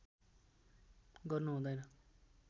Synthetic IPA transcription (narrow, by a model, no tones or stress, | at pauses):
ɡʌrnuɦũd̪ʌjnʌ